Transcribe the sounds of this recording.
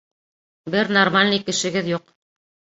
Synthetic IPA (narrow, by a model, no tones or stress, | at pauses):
bɘɾnormalʲnɤjkɘ̆ʃɘ̆ɡɘðjuq